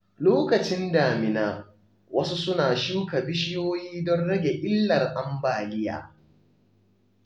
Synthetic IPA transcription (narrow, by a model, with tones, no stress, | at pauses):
loː˦kɐ˨t͡ʃɪ˦ndaː˨mɪ˨naː˦ | wɐ˦su˦sʊ˦naː˨ʃuː˦ka˨bɪ˦ʃɪ˦joː˦jiː˦dɔ˦nɽɐ˦ɡʲe˨ʔɪ˦lːɐ˨rʔa˦mbaː˨lɪ˦ja̰ː˨